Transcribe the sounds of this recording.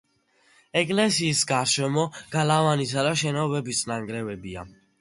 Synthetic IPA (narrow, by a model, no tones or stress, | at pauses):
ɛkʼlɛsiːsɡaɾʃɛmɔɡ̥alavanisad̪aʃɛnɔvɛbist̪ʼnaŋɡɾɛvɛbia